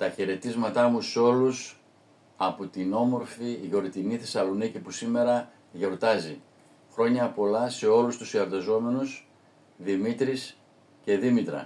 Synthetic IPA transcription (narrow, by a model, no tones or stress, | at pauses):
t̪ɐçeɾe̞t̪izmɐt̪ɐmuseo̞lus | ɐpot̪ino̞mo̞ɾfiʝo̞ɾt̪iniθe̞sɐlo̞nicipusime̞ɾɐ | ʝo̞ɾt̪ɐzi | xɾo̞ɲɐpo̞lɐse̞o̞lust̪usiɐɾt̪ɐzo̞me̞nus | ðimit̪ɾis | ce̞ðimit̪ɾɐ̰